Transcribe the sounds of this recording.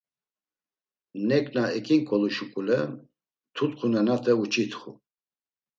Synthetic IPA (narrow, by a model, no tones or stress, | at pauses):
nɛkʼnaɛkʰʼiŋkʼɔluʃukʼulɛ | t̪ʰut̪χʰunɛnat̪ʰɛut͡ʃʰʼit̪ʰχṵ